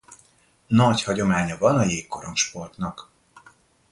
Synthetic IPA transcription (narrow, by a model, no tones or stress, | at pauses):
nɒchɒɟo̞maːɲɒvɒnɒjeːkkːo̞ɾo̞mʃpo̞rt̪nɒk